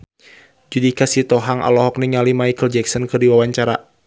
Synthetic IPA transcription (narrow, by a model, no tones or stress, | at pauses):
d͡ʒudikasit̪ɔɦaŋʔa̰lɔɦɔk̚niŋalimajkəld͡ʒɛksɔnkɨrdiwawaɲt͡ʃaɾa